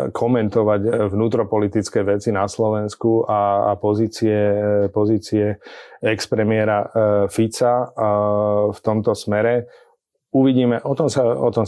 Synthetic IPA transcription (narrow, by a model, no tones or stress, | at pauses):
kʰɔmɛnt̪ɔʋaɟʋnuːt̪ɾɔpɔlit̪it͡skɛːʋɛt͡sinaslɔʋɛnskuaːpɔziːt͡siɛpɔziːt͡siɛɛkspɾɛmɪɛɾafit͡sa | ft̪ɔmt̪ɔsmɛɾɛ | uʋiɟiːmɛʔɔt̪ɔmsaɔ̰t̪ɔm